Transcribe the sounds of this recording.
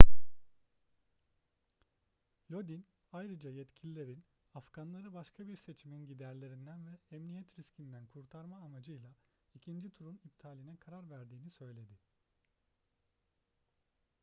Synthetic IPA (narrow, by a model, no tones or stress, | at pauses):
lʲod̪in | ajɾɯd͡ʒajɛt̪cʰilʲilʲe̞ɾin | afɡ̥anlˠaɾɯbaʃkʰabiɾse̞t͡ʃʰiminɟid̪æɾlʲe̞ɾind̪ænvɛɛmnijɛt̪ɾiscʰind̪ænkʰuɾt̪ʰaɾmaːmad͡ʒɯjlˠa | icʰind͡ʒit̪ʰuɾunip̚t̪ʰaːlʲinɛkʰaɾaɾvæɾd̪iːnisø̞jlʲe̞d̪ɪ